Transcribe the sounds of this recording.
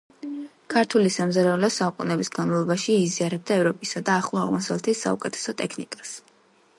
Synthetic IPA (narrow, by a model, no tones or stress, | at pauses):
kʰaɾt̪ʰulisamzaɾɛulɛsaukʼunɛbisɡanmavlˠɔbaʃiiziaɾɛb̚d̪aɛvɾɔpʼisad̪aːχlˠɔaʁmɔsavlɛt̪ʰisːa̰ṵkʼɛt̪ʰɛ̥sɔt̪ʼɛkʰnikʼas